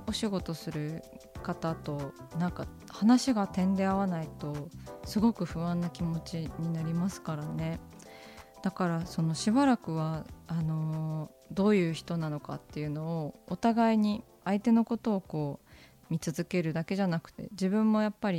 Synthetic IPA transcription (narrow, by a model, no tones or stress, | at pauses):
o̞ɕiɡo̞t̪o̞sɨɾɯ̟kat̪at̪o̞nãŋka | hanaɕiɡat̪ẽ̞nd̪e̞aβanait̪o̞sɨɡo̞kɯ̟ɸɯ̟βãnːakʲimo̞t͡ɕiɲ̟inaɾʲimasɨ̥kaɾane̞ | d̪̥akaɾaso̞noɕibaɾakɯ̟β̞aano̞ | d̪o̞ːjɯ̟ːçi̥t̪o̞nano̞ka̰t̪ːe̞jɯ̟no̞ːt̪aɡaiɲ̟i | ait̪e̞no̞ko̞t̪o̞ːko̞ː | mʲit͡sɨzɨke̞ɾɯ̟d̪ake̞ʑanakɯ̟̥t̪e̞̰d͡ʑibɯ̟̃mːo̞japːaɾʲi